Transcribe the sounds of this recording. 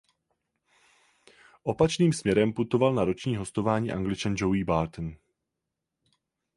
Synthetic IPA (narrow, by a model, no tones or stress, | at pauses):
ʔo̞pat͡ʃniːmsmɲɛɾɛmput̪o̞valnaɾo̞t͡ʃɲiːɦo̞st̪o̞vaːɲḭːʔa̰ŋɡlɪt͡ʃand͡ʒowiːbaːɾt̪n